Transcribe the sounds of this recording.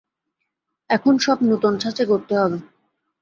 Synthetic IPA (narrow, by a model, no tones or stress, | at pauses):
ɛkʰonʃɔbnot̪ont͡ɕʰat͡ɕekoɾt̪eɦɔbe